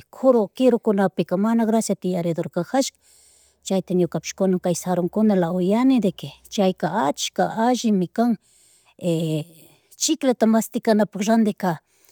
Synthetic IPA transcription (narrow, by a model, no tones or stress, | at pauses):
kʰʊɾokɪɾokʊnapɪkamanaɡɾasjat̪ɪjaɾɪd̪oɾkaxaʃkḁ | t͡ʃajt̪aɲʊkapɪ̥ʃkʊnaŋkajsaɾoŋkʊnalaʊjanɪd̪ekɪt͡ʃajkaat͡ʃkaʔaʒɪmɪkaŋ | e | t͡ʃɪklat̪amast̪ɪkanapakɾand̪ɪka